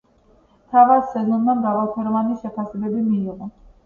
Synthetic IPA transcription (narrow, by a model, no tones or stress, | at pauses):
t̪ʰavat̪sɛzɔnːanɡavalˠpʰɛɾɔvaniʃɛpʰasɛbɛbimiːʁɔ